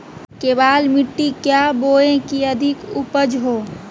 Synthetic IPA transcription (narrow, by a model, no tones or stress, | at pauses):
keːbaːlmɪʈːikjaboːẽkiəd̪ʱɪkupəd͡ʒɦoː